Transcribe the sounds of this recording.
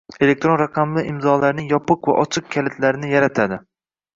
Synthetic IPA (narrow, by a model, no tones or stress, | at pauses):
e̞lek̚t̪ɾo̞nɾɑqʰɑmlɪʔɪmzɒlaɾnɪŋjɒpɨqva̰ʔɒt͡ʃʰɨq̚kʲʰalɪt̪ʰlaɾɪnɪjaɾat̪ʰad̪ɪ